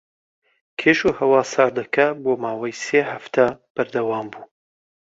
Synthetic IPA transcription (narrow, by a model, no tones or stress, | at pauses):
kʰeːʃuhɐwɑːsaːɾd̪ɐkʰɐboːmaːwɐjseːhɐft̪ʰab̥ɐɾd̪ɐwaːmbuː